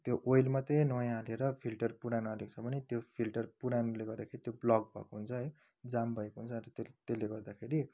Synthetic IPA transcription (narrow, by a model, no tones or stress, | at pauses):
t̪joʔojlmat̪enʌjaleɾʌpʰilʈʌrpuɾanalekt͡sʰʌbʱʌnet̪jopʰilʈʌrpuɾanuleɡʌrd̪akʰeɾit̪joblʌɡ̚bʱʌ̰koɦunt͡sʰʌɦʌj | d͡zambʱʌekoɦunt͡sʰʌrʌt̪et̪elːeɡʌrd̪akʰeɾi